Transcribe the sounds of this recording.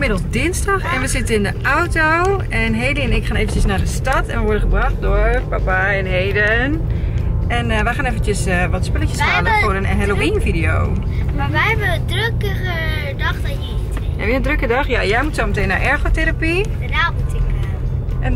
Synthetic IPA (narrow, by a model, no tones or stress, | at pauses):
mɪdəl̩ˠsdɪnsdɑxɛnʋəzɪtənɪndəʔawto | ɛnɦejdəɛnɪkxaːnejvən̩cəsnaːdəstɑtɛ̰nʋəʋɔɹdənχəbrɑχt̚dʊɹpapaɛnɦejdən | ɛnʋəxaːnevəntəsəʋɔtspɪləcəshaːlənfʊɾənɦɛloinfidijo̰w | maʋɛjɛbənəndrøkəɣə | dɑχdɔnjətj̰biəndrøkədɑxjajɛjmutsomətejnːaɹʔɛɹɣoteɾapi | ədamutɪk | ʔɛn